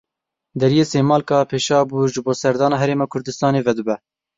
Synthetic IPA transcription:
d̪ɛɾijeːseːmɑːlkɑːpʰeːʃɑːbuʒɨboːsɛɾd̪ɑːnɑːɦɛɾeːmɑːkʰʊɾd̪ɨst̪ɑːneːvɛd̪ɨbɛ

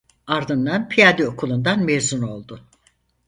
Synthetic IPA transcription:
aɾd̪ɯnd̪anpʰijad̪io̞kʰulˠund̪anmezuno̞lˠd̪ʊ

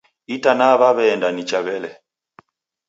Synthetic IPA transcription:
itanaβaβɛːndanit͡ʃaβɛlɛ

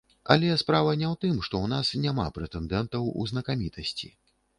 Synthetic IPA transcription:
ɐ̰lʲɛspɾavɐnʲɛwt̪ɨmʂt̪ɔwnasnʲama̰pɾɛt̪ɛnd̪ɛnt̪ɐwṵznɐkamʲit̪ʰɐsʲt͡sʲḭ

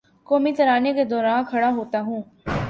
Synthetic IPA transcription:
koːmit̪ɐɾaːneked̪ɔːɾaːnkʰɐɽaɦoːt̪aɦũː

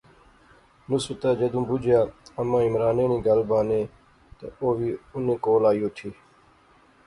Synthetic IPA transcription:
nʊsbət̪aːd͡ʒəd̪ũːbʊd͡ʒʱɪjaːəmãːɪmɾaːneːnĩːɡəlbãːnẽː | t̪ə̰oːʋiːʊnẽːkoːlaːijoːt̪ʰiː

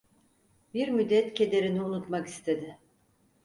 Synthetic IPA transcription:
biɾmyd̪ːɛt̪ce̞d̪e̞ɾiniunut̪maki̥st̪ʰe̞d̪ɪ

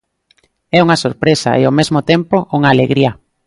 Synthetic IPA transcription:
ɛuŋɐsoɾpɾesa̰ʔeomezmʊt̪empoʔuŋaːleɣɾiɐ

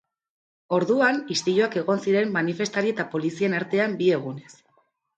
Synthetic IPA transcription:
o̞ɾðuanist̪iʎoake̞ɣo̞nsiɾe̞mːanife̞st̪aɾie̞t̪apo̞lisie̞naɾt̪e̞ambie̞ɣ̞une̞s

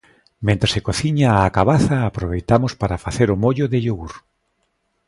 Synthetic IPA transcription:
mẽnt̪ɾesekoθiɲaːkaβaθaːpɾoβ̞ejt̪amʊspaɾafaθeɾʊmoʎʊðɪʎoɣuɾ

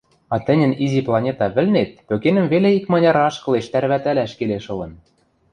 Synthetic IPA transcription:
ɑt̪ɘ̆nʲɘ̆niziplˠɑnʲet̪ɑβɘ̆lnet̪̚pøkenə̆mveleikmɑnʲɑɾɑʃkɤ̆leʃt̪æɾβæt̪ælæʃkeleʃɤ̆lɤ̆n

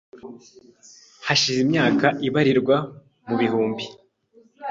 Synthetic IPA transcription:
haʃizimɲaːkaʔiβaɾiɾɡwa | muβiɦuːmbi

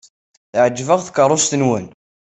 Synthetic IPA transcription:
θʕəd͡ʒːvəʁθkərˤːʊst̪ənwən

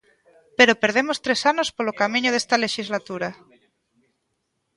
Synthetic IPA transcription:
peɾopeɾð̞emost̪ɾesanospolokamĩɲoðest̪aleʃizlat̪uɾa

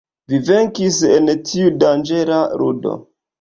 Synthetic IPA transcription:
vive̞ŋkisentʰiudand͡ʒe̞ɾaɾudo̞̰

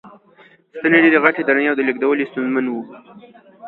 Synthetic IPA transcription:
st̪əneɖed̪əɣaʈed̪aɾaneawd̪ələɡ̚d̪awəlist̪unzmanwu

